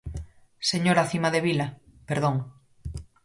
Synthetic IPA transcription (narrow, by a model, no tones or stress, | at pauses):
seɲoɾaθimaðeβilapeɾðoŋ